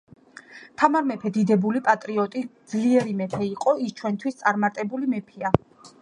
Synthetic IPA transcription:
t̪ʰamaɾmɛpʰɛd̪id̪ɛbulipʼat̪ʼɾiɔt̪ʼid̪zliɛɾimɛpʰɛiqʼɔist͡ʃʰwɛnt̪ʰwist̪sʼaɾmaɾt̪ʼɛbulimɛpʰia

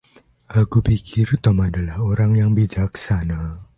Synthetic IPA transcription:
ʔakupikʰɪrt̪ɔmadalahoɾaŋjaŋbid͡ʒak̚sana

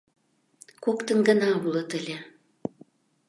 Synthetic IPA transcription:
kokt̪ə̆nɡə̆nɑβulɤ̆t̪ə̆lʲe

